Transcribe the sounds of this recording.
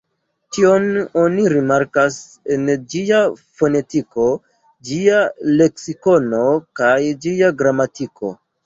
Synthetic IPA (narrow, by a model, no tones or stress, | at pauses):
tio̞no̞niɾimaɾkas | e̞nd͡ʒiafo̞ne̞tiko̞ | d͡ʒiale̞ksiko̞nokajd͡ʒiaɡɾamatiko̞̰